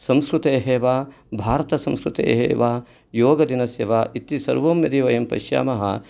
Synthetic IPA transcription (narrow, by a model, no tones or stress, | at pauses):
sɐ̃mskɾut̪eːɦeːʋaː | bʱaːɾɐt̪ɐsɐ̃mskɾut̪ḛːɦḛːʋaː | joːɡɐd̪inɐsjɐʋaːʔit̪isɐ̰ɾʋoːmjɐd̪iːʋɐjɐmpɐ̰ʃja̰ːmɐɦɐ̰